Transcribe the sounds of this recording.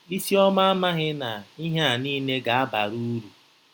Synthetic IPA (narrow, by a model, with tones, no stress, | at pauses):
i˦si˦ɔ˦ma˦a˦ma˦ɣɪ˦na˨i˦ɦe˦a˨niː˦ne˦ɡa˨a˦ba̰˨ɾu˦ɾu˨